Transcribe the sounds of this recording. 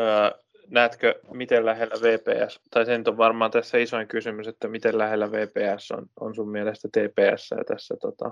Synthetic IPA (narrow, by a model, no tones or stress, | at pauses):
əː | næːt̪kømit̪ellæhelːæʋeːpḛːæst̪ɑisenyt̪oʋʋɑrmɑːnt̪æsːæisoiŋkysymyset̪ːæmit̪ellæhelːæʋeːpeːæsːo̰no̰nsummielest̪æt̪eːpeːæ̰sːæ̰jɑ̰t̪æsːæt̪ot̪ɑ̰